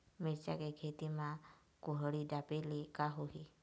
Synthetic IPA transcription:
meɾt͡ʃakekʰet̪ima | kuɦəɽiɖapelikaɦoɦi

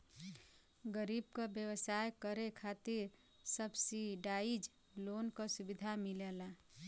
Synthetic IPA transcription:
ɡəɾib̚kəbjəwəsajkəɾekʰat̪iɾ | səbsiɖaid͡ʒ | lonkəsubid̪ʱamilela

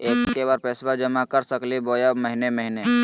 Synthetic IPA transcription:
eːkːebaɾpeːsbad͡ʒəmakəɾsəkliboːjaməɦineməɦine

